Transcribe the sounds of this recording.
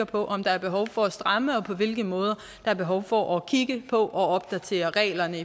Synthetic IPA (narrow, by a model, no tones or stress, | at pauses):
ɐpʰɒ̽ʔɒ̽md̥ɑ̈æɐb̥e̝ɦɒ̽ʊfɒ̽æsd̥ʁɑ̈məɒ̽pʰɒ̽ʋe̝lɡ̥ð̩mɔ̽ːð̞ˠɐ | d̥ɑ̈æɐb̥e̝ɦɒʊfɒʔɒkʰiɡ̥əpʰɒ̽ʔɒ̽ɒ̽b̥̚d̥æt͡sʰe̝̰ːɐʁɛ̰ːlɐnəi